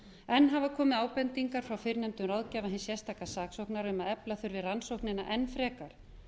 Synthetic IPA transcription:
ɛnːɦavakʰɔːmɪðaːwpɛnt̪iŋkaɾ̥fɾawfɪɾnɛmt̪ʏmrawðcɛvaɦɪnsjɛst̪aːkasaːksowhknaɾʏmaðɛplaθʏɾvɪðransowhknɪna̰ʔɛnːfɾɛːkaɾ̥

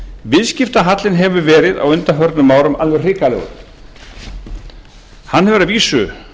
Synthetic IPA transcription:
vɪðscɪft̪aɦat̪lɪnɦɛvʏvɛːɾɪða̰wʏnt̪afœɾt̪nʏmːaːwɾʏmalvɛr̥r̥ɪːkalɛ̰ɣʏ̰ɾ | hanːhɛvʏɾaðviːsʏ

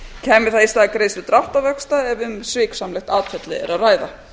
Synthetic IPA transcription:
cʰɛːmːɪɾ̥θaist̪aːakɾeːjsvɪt̪ɾaht̪avœkst̪aɛvʏmsvɪːksamlɛxt̪aːt̪fɛt̪lɪɛ̰ɾaðraːjða

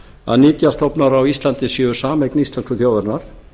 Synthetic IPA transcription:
a̰ðniːt̪jast̪ɔwpnaɾawist̪lant̪ɪsjɛʏsaːmejknist̪lɛnskʏθjoːwðɛɾnaɾ̥

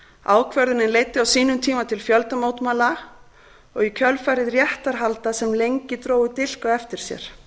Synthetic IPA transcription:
a̰ːwkʰvœɾðʏnɪnleːjt̪ːɪawsiːnʏmt̪ʰiːmat̪ʰɪlfjœlt̪amowt̪maːla | ɔɣikʰœlfaːɾɪðrjɛht̪aɾ̥ɦalt̪asɛmlejɲcɪt̪ɾoːwʏt̪ɪl̥kaɛft̪ɪɾ̥sjɛ̰ɾ̥

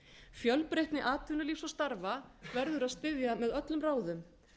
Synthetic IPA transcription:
fjœlpɾejht̪nɪʔaːt̪ʰʏnʏliːfsɔst̪aɾvavɛɾðʏɾaðst̪ɪðjamɛðœt̪lʏmraːwðʏm

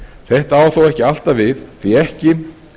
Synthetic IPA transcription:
θɛht̪aːwθawɛhcɪal̥t̪avɪθθiɛhcɪ

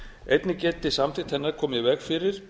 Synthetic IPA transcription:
ejt̪nɪcɛːt̪ɪsamt̪ʰɪt̪hɛnːaɾ̥kʰɔːmjɛvɛɣfɪɾɪɾ̥

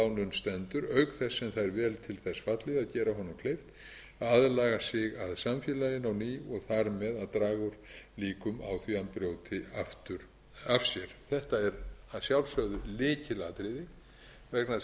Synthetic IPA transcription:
awnʏnst̪ɛnt̪ʏɾœɥkθɛsːɛmθaðɛɾvɛːlt̪ʰɪlθɛsːvat̪lɪðaðcɛːɾaɦɔnʏmkʰlejft̪ | aðlaːɣasɪɣaðsamfjɛlajɪnawniːɔɣθaɾmɛðaðt̪ɾaːɣʏɾ̥liːkʏma̰wθvianpɾjoːwt̪ɪaft̪ʏɾ | av̥sjɛɾ̥θɛht̪aɛɾsjawlsœɣðʏlɪːcɪlat̪ɾɪðɪ | vɛkna

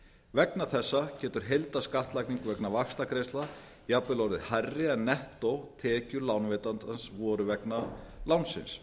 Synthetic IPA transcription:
vɛknaθɛsːacɛːt̪ʏɾ̥ɦejlt̪askaht̪lajkniŋkvɛknavaxst̪akʰɾejst̪la | japlɪlowɾðɪðharːɪɛnːɛht̪owt̪ʰɛːcʏɾlawnveːt̪ant̪ansvɔːɾʏvɛknalawnsɪ̰ns

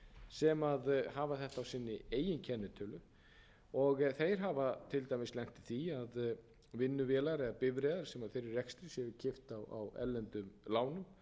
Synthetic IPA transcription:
sɛmaðhaːvaθɛht̪aawsɪːnːɪeːjɪncʰɛnːʏt̪ʰœːlʏ | ɔɣθejɾ̥ɦavat̪ʰɪlt̪ajmɪslɛŋ̥t̪ɪ̥θiað | vɪnːʏvɛːlaɾɛðapɪvɾɛːðaɾ̥sɛmaθeɾɪrːɛkst̪ɾɪsjɛvʏcʰɪft̪awa̰wɛ̰lːɛnt̪ʏmlaːwnʏm

